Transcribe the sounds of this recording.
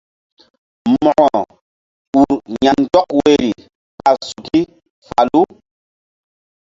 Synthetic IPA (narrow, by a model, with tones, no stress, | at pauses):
mɔ˨ʔɔ˨ | u˨ɾɲa˨ntɔ˦kwe˦˨ɾi˨ | pa˨su˨ki˦ | fa˨lu˦